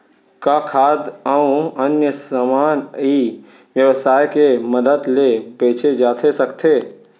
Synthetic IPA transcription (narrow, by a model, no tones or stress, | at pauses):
kakʰaːd̪əũənjəsamaːni | ʋjəʋəsaːjkeməd̪əd̪lepeːt͡ʃʰed͡ʒaːt̪ʰesəkt̪ʰeː